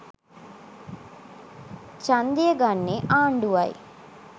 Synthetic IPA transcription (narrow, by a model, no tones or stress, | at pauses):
t͡ʃand̪ijəɡanːeʔaːɳɖuʋɐj